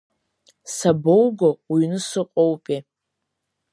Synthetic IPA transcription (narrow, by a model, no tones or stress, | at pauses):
sabowɡowinɨsɨqʷʼowpʼi